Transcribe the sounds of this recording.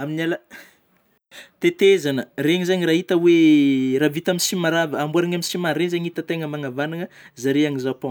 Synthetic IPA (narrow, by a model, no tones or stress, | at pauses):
aminalə | t̪et̪ezanəreɲizaɲiraɦit̪əweravit̪aminsimaɾavəambuaɾaɲaminsimaɾenzaɲit̪ət̪eŋəmaŋavanaŋəzaɾeaŋizapõ